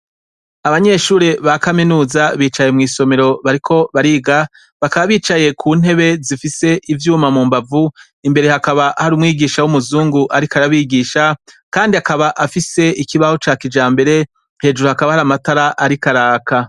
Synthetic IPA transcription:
aβaɲe̞ʃuːɾe̞βakaminuːzaβiːt͡ʃaje̞mŋiːso̞me̞ɾo̞βaɾikʰo̞βaɾiɡa | βakaβaβiːt͡ʃaje̞kʰuːn̥e̞βe̞zifise̞ʔivjuːmamuːmbavu | imbe̞ɾe̞hakaβahaɾuːmŋiːɡiːʃawumuzuːŋɡuʔaɾikaɾaβiːɡiːʃakaːndiakaβaʔafise̞ʔikiβaho̞t͡ʃaːkid͡ʒaːmbe̞ɾe̞ | he̞ːd͡ʒuɾuhakaβahaɾamataɾaʔaɾikaɾaːka

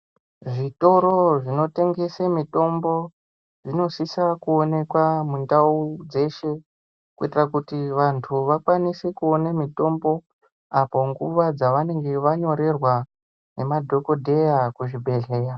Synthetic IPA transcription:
ʐito̞ɾo̞ʐino̞te̞ŋɡe̞semito̞mbo̞ | ʐino̞sisakuone̞kwamundaud͡ze̞ʃe̞ | kuitirakutiʋantʰuʋakwanisekuonamito̞mbo̞ | apo̞ŋɡuʋad͡zaʋane̞ŋɡe̞ʋaɲo̞ɾe̞rwa | ne̞madʱo̞ko̞dʱe̞jakuʐibʱe̞ɮe̞ːja

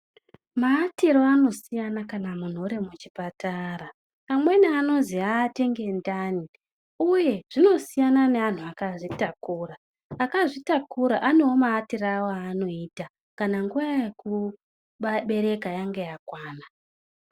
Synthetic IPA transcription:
maːtiɾo̞ano̞sijanakanamun̤oɾe̞mut͡ʃipataɾa | pamwe̞neano̞ziaːte̞ŋɡe̞ndaːni | uje̞ʐ̥ino̞sijanane̞an̤uakaʐitakuːɾaː | kaʐitakuɾaʔane̞womaːtiɾawoaːno̞iːta | kanaŋɡuʋajeku | ɓaɓe̞ɾe̞kajaŋɡejakwaːna

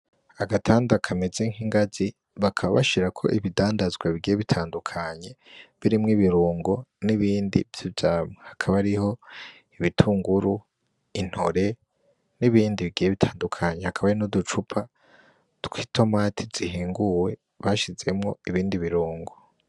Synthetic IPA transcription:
aɡatʰaːndakʰamezeŋhiŋɡazi | βakʰaβaβaʃiɾakʰo̞̰ʔiβidaːndazɡwaβiɡijeβitʰaːndukʰaɲe̞βiɾimŋiβiɾuːŋɡo̞niβiːndḭvj̥ovjaːmehakʰaβaɾiho̞ | iβitʰuːŋɡuɾu | in̥hoɾe̞ | niβiːndiβiɡijeβitʰaːndukʰaɲehakʰaβaɾinudut͡ʃupʰa | tu̥kʰitʰo̞matʰiz̥ihiːŋɡuwe̞ | βaʃize̞mŋo̞iβiːndiβiɾuːŋɡo̞

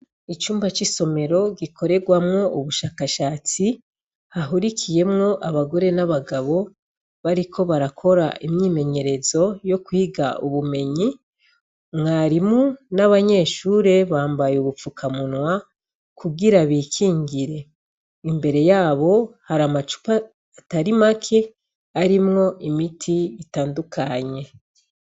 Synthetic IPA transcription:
it͡ʃuːmbat͡ʃiso̞me̞ɾo̞ɡikʰo̞ɾe̞ɡwamŋo̞uβuʃaːkaʃaːt͡si | haɦuɾikʰije̞mŋo̞ʔaβaɡo̞ɾe̞naβaɡaβo̞ | βaɾikʰo̞βaɾakʰo̞ɾa̰ʔimɲiːme̞ɲe̞ɾe̞zo̞jo̞kwuiɡauβume̞ɲi | mŋaːɾimunaβaɲe̞ːʃuːɾe̞βaːmbajeuβup͡fukʰamunŋwa | kʰuɡiɾaβiːkʰiːɲɡiɾe̞ | imbe̞ɾe̞jaːβo̞haɾamat͡ʃu̥paː | taɾimakʰe̞ | aɾimŋo̞ʔimitʰiitaːndukʰaɲe̞

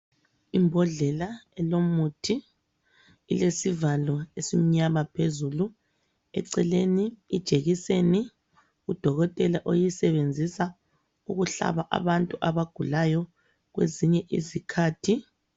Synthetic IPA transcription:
imbʱɔɮɛlaɛlomutʰi | ḭlesivalɔesim̩ɲamapʰezulu | ɛ̰ǀɛleniːd̥ʒ̥ʱeɣiseni | ud̥ʱɔɣɔtʼɛlaʔojisɛβend͡zʱisa | uɣuɬa̰βaʔa̰βantʼuʔaβaɡ̥ʱulajɔ | ɣwḛziɲɛʔḭzikʰaːtʰi

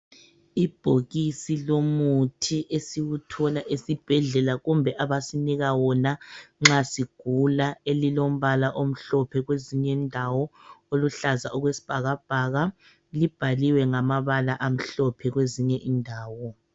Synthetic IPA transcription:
ib̥ʱoɣisilomutʰiʔesiwutʰɔlaʔesib̥ʱɛɮɛlaɣumbʱɛʔaβasiniɣawɔnaŋ͡ǁasiɡ̥ʱulaelilom̩βalaʔom̩ɬɔpʰɛɣweziɲɛndʱawɔoluɬaza̰ɔɣwesi̥b̥ʱaɣab̥ʱaɣa | lib̥ʱaliwɛŋamaβalaʔam̩ɬɔpʰɛɣweziɲɛʔindʱaːwɔ

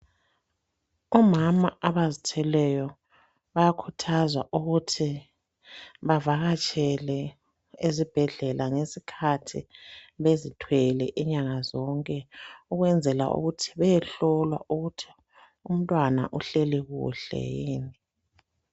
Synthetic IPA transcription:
ɔmamaaβazitʰɛlɛjɔ | βajakʰutʰazwaʔuɣutʰi | βavaɣat͡ʃʼɛlɛ | ezib̥ʱɛɮɛlʔaŋesikʰatʰiβezitʰwɛlɛʔiɲaŋazɔŋkʼɛuɣwɛnd͡zʱɛla̰ʔṵɣutʰi̥βɛjɛɬɔlwa̰ʔuɣutʰi̥ | um̩tʼwana̰ʔuɬɛlɛɣṵɬɛ̰jiːni

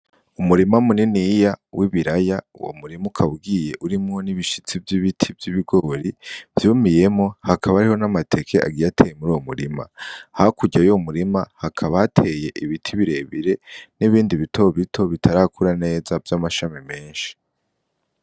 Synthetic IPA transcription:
umuɾimamuninijawʔiβiɾajauwo̰muɾimukʰaβuɡije̞ʔuɾimŋoniβiʃit͡sivjiβitʰivjiβiɡo̞ɾiv̥jumije̞mohakʰaβaɾiho̞namatʰe̞kʰe̞ʔa̰ɡijatʰejemuɾuwomṵɾima̰hakuɟajomuɾimahakʰaβaatʰe̞je̞ʔiβitʰiβiɾe̞βiɾe̞niβiːndiβitʰo̞βitʰo̞βitʰaɾakʰuɾane̞ːzavjamaʃamime̞ːnʃi̥

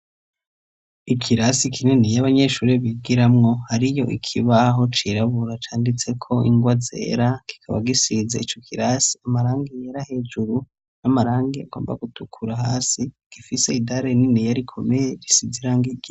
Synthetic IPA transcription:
ikʰiɾasikʰinenijaβaɲe̞ʃuːɾiβiɡiɾamŋo̞haɾijo̞ʔikʰiβaɦo̞t͡ʃiɾaβuɾat͡ʃaːndit͡se̞kʰo̞iŋɡwaze̞̰ːɾaki̥kʰaβa̰ɡisizeit͡ʃo̞kʰiɾasi̥amaɾaːŋɡejaɾahe̞d͡ʒuɾu | namaɾaːŋɡeaɡo̞̰ːmba̰ɡutukʰuɾaɦaːsi | ɡ̥ifise̞idaɾeninijaɾikʰo̞me̞jeɾisiziɾaːŋɡiɡi

